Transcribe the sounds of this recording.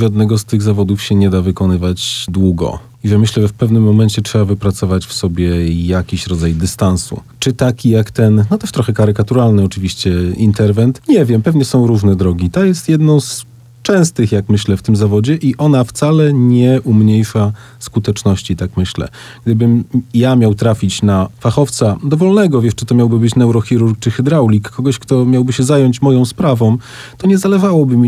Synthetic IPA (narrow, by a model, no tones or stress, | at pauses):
ʐad̪nɛɡɔst̪ɘɣzavɔd̪ufɕɛɲɛd̪avɘkɔnɘvad͡ʑd̪wuɡɔ̰ | iʐɛmɘɕlɛʐɛfpɛvnɘmːɔmɛɲt͡ɕɛtʂɛbavɘpɾat̪sɔvat͡ɕfsɔbʲjɛjakʲiɕɾɔd̪zajd̪ɘst̪ansṵt͡ʂɘt̪akʲijakt̪ɛnnɔt̪ɛʂt̪ɾɔxɛkaɾɘkat̪uɾalnɛɔt͡ʂɘvʲiɕt͡ɕɛint̪ɛɾvɛnt̪ɲɛvʲjɛmpɛvɲɛsɔ̃w̃ɾuʐnɛd̪ɾɔɡʲit̪ajɛst̪jɛd̪nɔ̃w̃s | t͡ʂɛ̃w̃st̪ɘxjakmɘɕlɛft̪ɘmzavɔd͡ʑɛʔiʔɔnaft̪salɛɲɛʔumɲejʂa | skut̪ɛt͡ʂnɔɕt͡ɕit̪akmɘɕlɛ̰ | ɡɡ̚d̪ɘbɘmjamʲjawt̪ɾafʲit͡ɕnafaxɔft̪sad̪ɔvɔlnɛɡɔvʲjɛʂt͡ʂɨt̪ɔmʲjawbɘbɘt͡ɕnɛwɾɔxʲiɾuɾk̚t͡ʂɘxɘd̪ɾawlʲikːɔɡɔɕkt̪ɔmʲjawbɘɕɛzajɔɲt͡ɕmɔjɔ̃w̃spɾavɔ̃w̃ | t̪ɔɲɛzalɛʐawɔbɘmʲi